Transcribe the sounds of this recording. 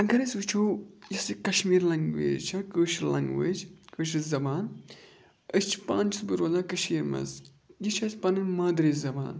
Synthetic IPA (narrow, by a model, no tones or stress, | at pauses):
ɐɡɐɾɐsʲʋit͡ʃʰoːjɐsikɐʃmiːɾlɐŋɡʋḛːd͡ʒt͡ʃʰɐkəːʃlɐ̰ŋɡʋḛːd͡ʒkɨːʃ̬izɐbaːn | əst͡ʃʰpaːnt͡ʃʰsbɨɾoːlaːkɐʃiːɾmɐ̰z | jit͡ʃʰɐsʲpɐnɨnmaːd̪ɾiːzzɐba̰ːn